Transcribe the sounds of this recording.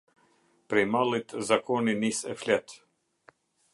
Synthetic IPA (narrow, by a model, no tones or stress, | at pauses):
pɾɛjmalˠit̪zakɔninisɛflɛt̪